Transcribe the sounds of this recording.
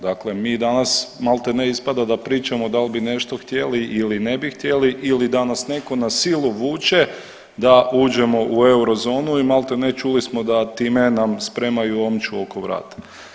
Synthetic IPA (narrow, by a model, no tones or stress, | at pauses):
d̪akle̞miːd̪anasmalˠt̪eneispad̪ad̪apɾiːt͡ʃamod̪albine̞ʃt̪o̞xt̪je̞liʔiline̞bixt̪je̞liʔilid̪anasne̞ko̞nasilˠuʋuːt͡ʃe̞ | d̪auːd͡ʒe̞mo̞ʔue̞uɾo̞zo̞ːnuimalˠt̪enet͡ʃulismo̞d̪at̪iːme̞namspɾe̞majuo̞mt͡ʃuo̞ko̞ʋɾa̰ːt̪ḁ